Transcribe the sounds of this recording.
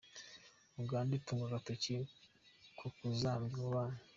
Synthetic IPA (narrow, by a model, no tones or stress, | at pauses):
uŋɡaːndituŋɡaɡatoci | kʰukuzamɡuβana